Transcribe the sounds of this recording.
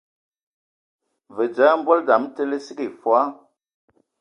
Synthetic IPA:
və˨d͡ʒa˨˦m̩˦bɔ˦lda˨˦m˦te˦le˦si˦ke˨fwa˦

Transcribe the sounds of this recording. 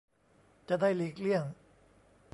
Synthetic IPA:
t͡ɕa˨daː˥˩jli˦˥k̚li˥˩əŋ

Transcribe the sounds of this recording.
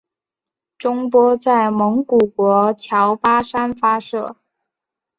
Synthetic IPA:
ʈ͡ʂʊ˥ŋpwɔ˥t͡sa˥˩ɪmɤ˧˥ŋku˨˩kwɔ˧˥t͡ɕʰjɑ˧˥ʊpa˥ʂa˥nfa˥ʂɤ˥˩

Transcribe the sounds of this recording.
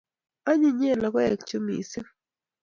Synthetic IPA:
a˦ɲi˦ɲe˦˨la˨kɔ˦ɛ˨k̚t͡ʃo˦mḭ˨si˦

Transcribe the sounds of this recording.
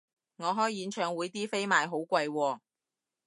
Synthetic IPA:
ŋɔː˨˧ɦɔː˨˥jjiː˨˧˥nt͡ʃʰœː˨˧ŋwuː˨˧jt̪iː˥fe˥jmaː˨jɦo˨˥wkʷɐ˧jwɔː˧

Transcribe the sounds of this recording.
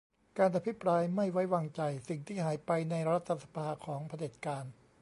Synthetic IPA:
kaː˧nʔa˧pʰi˦˥pɾaː˧jma˥˩jwa˦˥jwaː˧ŋt͡ɕa˧jsi˨˩ŋt̪ʰiː˥˩ɦaː˩˦jpa˧jna˧jɾa˦˥t̪ʰːa˧sḁ˧pʰaː˧kʰɔː˩˦ŋpʰa˧de˨˩t̪̚kaː˧n

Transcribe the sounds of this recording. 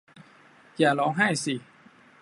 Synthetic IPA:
jaː˨˩lɔː˨˦˥ŋɦaː˥˩jsiː˨˩

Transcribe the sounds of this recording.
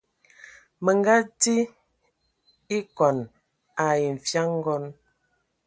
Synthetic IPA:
mə˨ŋɡa˦ti˦ | i˦kɔ˨n | a˨i˨m̩˨fja˦ŋ˦ɡɔ˦n

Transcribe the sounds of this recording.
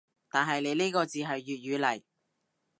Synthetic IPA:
t̪aː˨nɦɐ˨jle˨˧jneː˥kɔː˧t͡siː˨ɦɐ˨jːyː˨t̚ɥyː˨˧lɐ˨˩j

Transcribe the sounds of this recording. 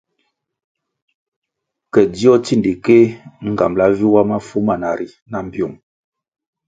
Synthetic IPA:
kɛ˨di˦ɔ˦ti˦˨ndi˨ke˦ŋ̩˨ɡa̰˨mla˦vi˦wa˦ma˦fu˦ma˨na˨ɾi˨ | na˨m˨bjo˨m

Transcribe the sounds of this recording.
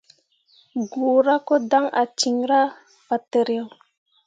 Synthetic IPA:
ɡu˨ɾa˦ko˦da˦ŋa̰˨t͡ʃi˨ŋɾa˦ | fa˨te˨ɾjo˨

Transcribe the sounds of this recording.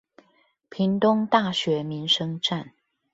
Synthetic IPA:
pʰi˨˦ŋt̪ʊ˦ŋt̪a˥˨ɕɥɛ˨˥mi˨˦nʂɤ˦ŋʈ͡ʂa˥˨n

